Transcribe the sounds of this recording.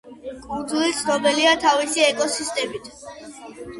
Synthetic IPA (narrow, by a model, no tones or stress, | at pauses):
kʼund̪zulit̪sʰnɔbɛliat̪ʰavisiɛkʼɔsist̪ʼɛmit̪ʰ